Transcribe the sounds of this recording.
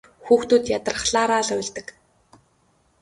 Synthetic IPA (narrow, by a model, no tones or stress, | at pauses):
xuːxt̪uːt̪jat̪ə̆rχɮaːɾaːɮʊːɮt̪ə̆k